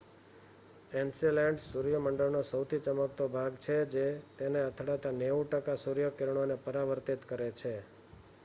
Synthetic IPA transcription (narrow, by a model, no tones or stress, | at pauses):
ensilɛɳɖsuɾjəməɳɖəɭnosəwt̪ʰit͡ʃəməkt̪obʱaɡt͡ʃʰed͡ʒet̪eneət̪ʰɽat̪aneuʈəkasuɾjəkeɾɳ̃onepəɾaʋəɾt̪it̪kəɾet͡ʃʰe